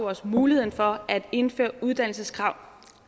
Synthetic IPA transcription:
ɒsmuːlihe̝̰n̩fɒ̽æd̥e̝nfø̰ɐuð̞ˠd̥æn̰l̩səskʰʁɑ̈ʊ̰

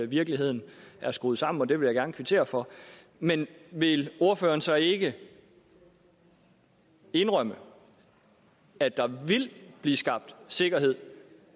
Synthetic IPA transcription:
ʋiɐɡ̥liɦhe̝ð̞̰ˠn̩ʔæɐsɡ̥uð̩ˠsɑ̈m̰n̩ɒ̽d̥e̝ʋe̝ljäɡ̥æɐnəkʰʋit͡sʰe̝̰ːɐfɒ̽ | menʋe̝lo̝ɐfø̰ːɐnsɑɪe̝ɡ̥ə | e̝nʁɶm̰ə | æd̥ɑ̈ʋe̝lb̥liːsɡ̥ɑ̈b̥̚d̥se̝ɡ̥ɐɦe̝ð̰ˠ

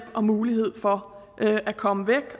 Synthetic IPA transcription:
b̥ɒ̽muːliɦe̝ð̰ˠfɒ̽ | ʔʔækʰɒ̽məʋeɡ̥

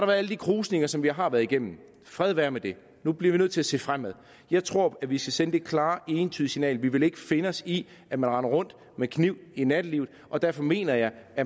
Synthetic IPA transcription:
ɑd̥ɾɑ̈ʋæːɐæləd̥ikʰʁuːsne̝ŋɐsɒ̽mʋiɦɑ̈ʋæːɐðˠiɡ̥em̰m̩ | fʁɛð̞ˠʋæːɐmed̥e̝ | nub̥liɐʋinøð̰ˠt͡sʰe̝æse̝̰ːfʁam̰eðˠ | jɑ̈ɪt͡sʰʁo̝ɐ̰æʋisɡ̥æsenəd̥e̝̥kʰlɑ̈ːe̝ːnt͡sʰyːðˠisinɛ̰ːlʋiʋe̝le̝ɡ̥əfe̝nəɒsi | æmænʁɑ̈nɐʁɔ̽n̰d̥ | mekʰniʊ̰inæd̥əliʊð̩ˠʔɒ̽d̥æɐfɒ̽me̝̰ːnɐjɑ̈ɪæ

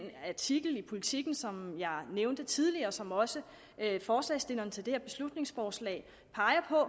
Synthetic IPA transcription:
næt͡sʰiɡ̥l̩ipʰo̝lit͡sʰiɡ̥n̩sɒ̽mjɑ̈ɪneʊnd̥ət͡sʰið̞ˠliɐːsɒ̽mɒ̽sə | øfɒːslɛ̰ɪsd̥e̝nɐnt͡sʰeld̥e̝heɐb̥e̝slud̥ne̝ŋsfɒːslɛ̰ːɪ | pʰɑ̈ɪɐpʰɒ̽

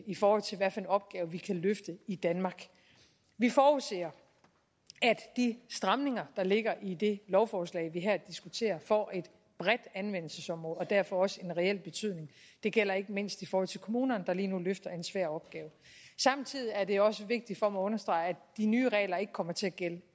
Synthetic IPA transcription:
ifɒːhɒ̽l̰t͡sʰe̝lʋæɐ̰fæenɒ̽b̥̚ɡ̥ɛːʊʋikʰæløfd̥əid̥ænmɑ̈ːɡ̥ | ʋifɒːuse̝̰ːɐ | æd̥d̥isd̥ʁɑ̈mne̝ŋɐd̥ɑ̈le̝ɡ̥ɐʔid̥e̝lɒʊfɒːslɛ̰ɪʋiɦæɐd̥isɡ̥ut͡sʰe̝̰ːɐfɒ̰ʔe̝d̥ | b̥ʁɛd̥ænʋen̰l̩səsɒ̽mʁɔ̽ð̩ˠɒ̽d̥æɐ̰fɒ̽ɒ̽səe̝nʁɛel̰b̥e̝t͡sʰyð̰ˠne̝ŋ | d̥e̝ɡ̥el̰ɐe̝ɡ̥əmen̰sd̥ifɒːhɒ̽l̰t͡sʰe̝lkʰo̝muːnɐnd̥ɑ̈liːnuløfd̥ɐe̝nsʋæɐ̰ɒ̽b̥̚ɡ̥ɛːʊsɑ̈mt͡sʰið̰ˠiæɐde̝ɒ̽səʋe̝ɡ̥̚d̥id̥fɒmæɔ̽nɐsd̥ʁɑ̈ɪæd̥inyːʁɛ̰ːlɐe̝ɡ̥əkʰɒ̽m̰ɐt͡sʰe̝æɡ̥el̰

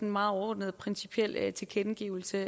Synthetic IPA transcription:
enmɑ̈ːð̩ˠɒɔd̥nəð̩ˠpʰʁɛnsi̥pʰiel̰t͡sʰe̝lkʰenɡ̥ḭʊl̩sə

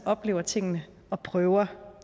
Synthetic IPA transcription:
ɒ̽b̥le̝ːʊ̰ɐt͡sʰe̝ŋ̰nə | ɒ̽pʰʁœːʊɐ

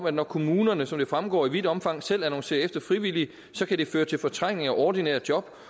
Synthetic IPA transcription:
mæd̥nɒkʰo̝muːnɐnəsɒ̽md̥e̝fʁamɡ̥ɒ̰ːiʋid̥ɒ̽mfɑ̈ŋ̰sel̰ænɒ̽ŋse̝̰ːɐefd̥ɐfʁiʋil̰i | sɒ̽kʰæd̥e̝føːɐt͡sʰe̝lfɒ̽t͡sʰʁaŋ̰neŋ̩ɒʔɒd̥inɛ̰ɐ̰djɒ̽b̥

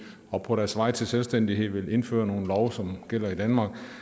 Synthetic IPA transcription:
ɒ̽pʰɒ̽ɾæɐsʋɑ̈ɪ̰t͡sʰe̝lselsd̥en̰d̥iɦe̝ð̰ˠʋe̝le̝nfø̰ːɐno̝ːn̩lɒʊsɒ̽mɡ̥el̰ɐid̥ænmɑ̈ːɡ̥

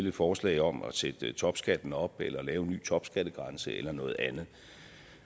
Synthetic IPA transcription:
ləfɒːslɛ̰ɪɒ̽mɒsed̥ət͡sʰɒ̽b̥sɡ̥æd̥n̩ɒ̽b̥elɐlɛːʊny̰ːt͡sʰɒ̽b̥sɡ̥æd̥əɡ̥ʁɑ̈nsəelɐnɔ̽ːð̩ˠænð̩ˠ

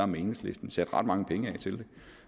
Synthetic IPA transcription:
ɐmeːnəsle̝sd̥n̩sæd̥ʁɑ̈d̥mɑ̈ŋəpʰeŋəɛ̰t͡sʰe̝ld̥e̝

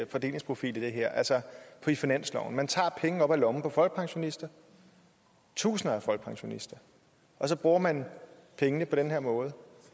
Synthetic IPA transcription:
fɒ̽d̥e̝̰le̝ŋspʰʁo̝fḭːlid̥e̝ɦeɐ̰ʔælsɒpʰɒ̽ifinænslɒ̰ʊn̩mænt͡sʰɑ̰̈ːpʰeŋən̩ɒ̽b̥ælɒ̽m̩pʰɒ̽fɒlɡ̥̚pʰɑ̈ŋɕo̝nisd̥ɐ | t͡sʰṵːsn̩ɐæfɒ̽l̰ɡ̥̚pʰɑ̈ŋɕo̝nisd̥ɐ | ʔɒ̽sɒ̽b̥ʁuːɐmæn | pʰeŋənəpʰɒ̽ɾ̥enɦeɐ̰mɔ̽ːð̞ˠ

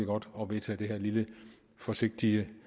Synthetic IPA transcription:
iɡ̥ɒ̽d̥ɒ̽ʋe̝ðt͡sʰɛ̰ːd̥e̝ɦæɐ̰lilə | fɒ̽se̝ɡ̥̚d̥iə

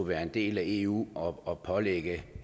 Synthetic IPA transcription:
uʋæːɐe̝nd̥e̝̰ːlæe̝ṵːɒɒpʰɒ̽leɡ̥ə

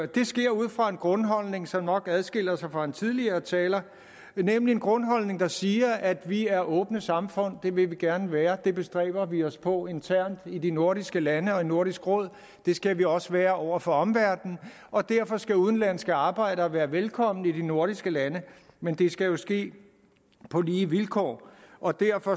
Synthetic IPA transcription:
d̥e̝sɡ̥e̝ɐ̰uð̞̰ˠfʁɑ̈e̝nɡ̥ʁɔ̽nɦɒ̽l̰ne̝ŋsɒ̽mnɒ̽ɡ̥æðˠsɡ̥e̝l̰ɐsɑ̈ɪfʁɑ̈e̝nt͡sʰið̞ˠliɐːt͡sʰɛːlɐ | nemlie̝nɡ̥ʁɔ̽nɦɒ̽l̰ne̝ŋd̥ɑ̈siːɐʔæd̥ʋiæɐʔɔ̽ːb̥nəsɑ̈mfɔ̽n̰d̥e̝ʋe̝ʋiɡ̥æɐnəʋæːɐd̥e̝b̥e̝sd̥ʁɛ̰ːb̥ɐʋiɒspʰɒ̽e̝nt͡sʰæɐ̰nd̥idino̝ɐɾisɡ̥əlænəɒ̽ino̝ɐɾ̥isɡ̥ʁɔ̽ð̞̰ˠ | d̥e̝sɡ̥æʋiɒ̽səʋæːɐʔɒʊ̰ɐfɒ̽ɒ̽mʋæɐ̰d̥n̩ | ʔɒ̽d̥æɐ̰fɒ̽sɡ̥æuð̞ˠn̩læn̰sɡ̥æɑ̈ːb̥ɑ̈ɪ̰ɾəɒ̽ʋæːɐʋelkʰɒ̽m̰n̩id̥ino̝ɐɾ̥isɡ̥əlænəmend̥e̝sɡ̥æjo̝sɡ̥e̝̰ː | pʰɒ̽liːʋilkʰɒ̰ːʔɒ̽d̥æɐ̰fɒ̽

